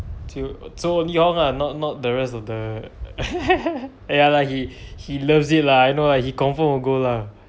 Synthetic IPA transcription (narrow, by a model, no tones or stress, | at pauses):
tʰisoõnlihɔ̃ŋanɔt̚nɔt̚dəɹɛstɔfdə | jalahihiləvsit̚laajnolajkhikɔ̃ɱfə̃məɡola